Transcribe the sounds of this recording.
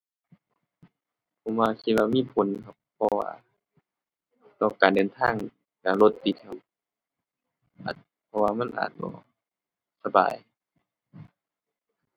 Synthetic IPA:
kʰo˧˦mwaː˧kʰi˧t̪̚waː˧miː˧˥˨pʰo˨˦nkʰa˧pʰːɔ˧wa̰ː˧ | lɔː˧˩˨kaː˨ndɤː˨nt̪ʰaː˧˥˨ŋ | ka˧lo˧t̪ːi˧t̪̚kʰa˧˩p̚ | ʔa̰ː˨˩t̪̚ | pʰɔ˧waː˧ma˧˥˨nʔa̰ː˨˩t̪̚bɔ̰ː˧˦ | sa˧ba̰ː˨j

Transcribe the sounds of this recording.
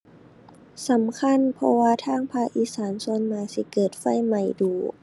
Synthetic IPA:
sa˨˦mkʰa˧˥˨npʰɔ˧waː˧t̪ʰaː˧˥˨ŋpʰaː˧˨ʔʔiː˧saː˩˦nso˧˥nmaː˧˩si˧˦kɤː˨˩t̪̚fa˧˥˨jma˨˧˩jduː˨˩˦

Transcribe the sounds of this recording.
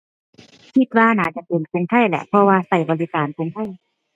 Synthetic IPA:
kʰi˧˩t̪̚waː˧naː˩˦t͡ɕa˨˧˩pe˨˩nku˧ŋt̪ʰa˥˩jlɛ̰˧ʔpʰɔ˧waː˧sa˨˩jbɔː˨˧li˦˥kaː˨˩nku˧˦ŋt̪ʰa˧˥˩j

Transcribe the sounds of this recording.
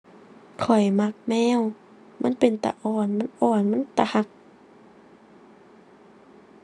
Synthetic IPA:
kʰɔ˨˩jma˧k̚mɛː˧˥˨w | ma̰˧˥˨npe˨nt̪a̰˧˨ʔɔː˧˩nma˧˥˨nʔɔː˧˩nma˧˥˨t̪a˧˨ha˧k̚

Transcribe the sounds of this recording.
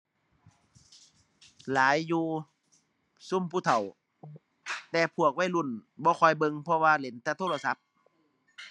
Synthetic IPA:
laː˨˦jːuː˧ | su˧˥˨mpʰuː˧˩t̪ʰa˨˩w | t̪ɛː˧pʰu˧˩ək̚wa˧˥˨jlu˧˩˨nbɔː˧˦kʰɔ˧˩jbɤ˧ŋpʰɔ˧waː˧le˨˦nt̪ʰa˧˩t̪ʰoː˧˨la˧sa˧˦p̚

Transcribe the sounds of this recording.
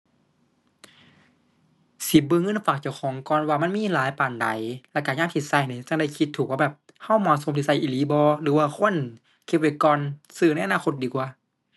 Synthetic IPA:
si˨˦p̚bɯː˧˨ŋɤ˧˥˨nfaː˨˩k̚t͡ɕa˧˩wxʰɔː˨˦ŋkɔː˧˨nwaː˧ma˧˥˨nmiː˧˥˨laː˨˦jpaː˨˩nda̰˨˦jlɛ˧˩kaː˨˩ɲaː˧˥˨mk̪ʰi˧˩sa˧˩jni˧˦t͡ɕa˧˩ŋda˧˩jkʰi˧t̪ʰːuː˨˩k̚waː˧bɛː˨˩p̚ | ha˧˥˩wmɔː˧t̪̚so˨˧˦mt̪ʰi˧sa˧˩jʔiː˨liː˨˦bɔː˧lɯː˨˦waː˧kʰo˧˥˨n | kʰe˧p̚wa˧˦kɔː˧nsɯː˧˩n˧˥˨ʔnaː˧˨xʰo˧t̪̚diː˨˩kwaː˧˩˦

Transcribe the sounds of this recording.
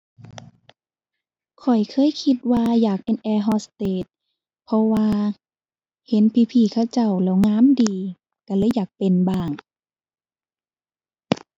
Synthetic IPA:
kʰɔ˨˩jkʰɤː˧˥˨jkʰi˧t̪̚waː˧jaː˨˩k̚pe˨nʔɛː˧ɦɔː˧st̪eː˧˩t̪̚ | pʰɔ˧waː˧ | he˨˦npʰiː˧pʰiː˧˩kʰa˧˩wt͡ɕa˧˩wlɛː˧˩wŋaː˧˥˨mdiː˨ | ka˧˩lɤː˧˥˨jːaː˨˩k̚pe˨nbaː˧˩ŋ

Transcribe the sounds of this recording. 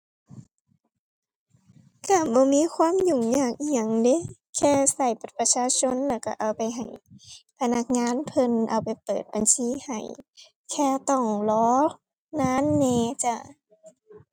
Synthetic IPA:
ka˧˩bɔː˧˦miː˧˥˨kʰwaː˧˥˨mjuː˧˩ŋɲaː˧˩k̚ʔa˧˩ŋde˧˦ | kʰɛː˧˩sa˨˩jpa˨˧˩t̪̚pa˧t͡ɕʰaː˧˥˨t͡ɕʰo˧˥˨nlɛː˧˩wka˧˩ʔa˨˩wpa˨˩jɦa˨˩jpʰa˧na˧˩k̚ŋaː˧˥˨npʰɤ˧nʔa̰˧˩wpa˨˩jpɤː˨˩t̪̚ba˨nsiː˧˥˨ha̰˨˩j | kʰɛː˧˩t̪ɔ˧˩ŋlɔː˧˦ | naː˧˥˨nːɛː˧t͡ɕa˧˩

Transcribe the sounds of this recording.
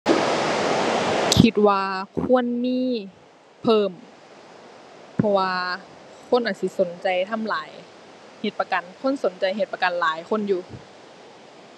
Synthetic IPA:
kʰi˧t̪̚waː˧kʰu˧˥˨ə˨nmiː˧˥˨ | pʰɤː˧˩m | pʰɔ˧waː˧ | kʰo˧˥˨nʔaː˨˧t̪̚si˧˦so˨˦nt͡ɕa˨jt̪ʰa˧˥˨mlaː˨˩˦j | he˧˩t̪̚pa˧ka˨˩nkʰo˧˥˨nso˨˦nt͡ɕa˨˩jɦe˧˩t̪̚pa˧ka˨nlaː˨˦jkʰo˧˥˨njuː˨˩

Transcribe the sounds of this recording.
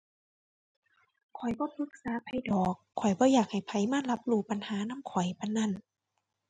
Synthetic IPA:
kʰɔ˨˩jbɔː˧˦pʰɯ˧˦k̚saː˨˦pʰa˧jdɔː˨˩kʰːɔ˨˩jbɔː˧˦jaː˨˩k̚ha˨˩jpʰa˧˩jmaː˧˥˨la˧˦˥p̚luː˧˩pa˧˨nhaː˨˦na˧˥˨mkʰɔ˨˩jpa˧nːa˧˥˨n

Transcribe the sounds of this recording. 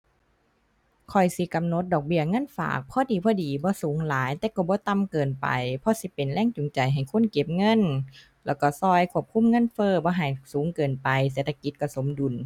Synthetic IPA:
kʰɔ˨˩jsi˧˦ka˨mno˧˦t̪̚dɔː˨˩k̚bi˧˩ɐŋɤ˧˥˨nfa̰ː˨˩k̚pʰɔː˧˨diː˨˩pʰɔː˧˥diː˨˩bɔː˧˦suː˨˦ŋlaː˨˦jt̪ɛː˧˦kɔ˧˩bɔː˧˦t̪a˧˨mkɤː˨˩npa̰˨˩jpʰɔ˧˥˨si˧˦pe˨nlɛː˧˥˨ŋt͡ɕu˨ŋt͡ɕa˨jɦa˨˩jkʰo˧˥˨nke˧˩p̚ŋɤ˧˥˨n | lɛː˧˩wkɔ˧˩sɔː˧˩jkʰu˧˥˩əp̚kʰu˧˥˨mŋɤ˧˥˨nfɤː˧˨bɔː˧ɦa˨˩jsuː˨˦ŋkɤː˨npa˨jseː˨˦t̪ʰa˧ki˧˦t̪̚kɔ˧˩so˨˦mdu˨˩˨n

